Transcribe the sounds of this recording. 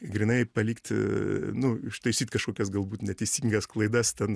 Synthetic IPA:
ɡɾʲinɐɪpɐlʲiːkt̪nʊɪʃt̪ɐɪsʲiːt̪kɐʃkoːkʲɛsɡɐlˠbuːt̪nʲɛt̪ʲɛɪsʲiŋɡɐsklˠɐɪd̪ɐst̪ʲɛn

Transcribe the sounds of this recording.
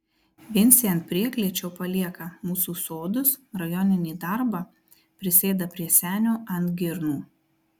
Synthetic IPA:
ʋʲɪnʲˑsʲiɐnt̪̚pʲɾʲiɛklʲiɛt͡ʃʲɛʊpɐlʲiɛkɐmuːsuːsoːd̪ʊsɾɐjɔnʲɪnʲiːd̪ɑɾbɑ | pʲɾʲɪsʲeːd̪ɐpʲɾʲiɛsʲæːnʲoːʔɐnt̪ɡʲɪɾnuː

